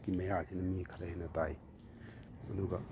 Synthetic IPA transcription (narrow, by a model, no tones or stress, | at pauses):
kimɐjasinɐmikʰɐɾɐhenɐtaj | ɐduɡa